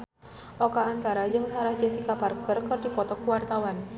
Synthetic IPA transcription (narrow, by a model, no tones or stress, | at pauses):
ʔɔkaːnt̪aɾad͡ʒɨŋsaɾahd͡ʒɛsikaparkərkɨrdipɔt̪ɔkuwart̪awan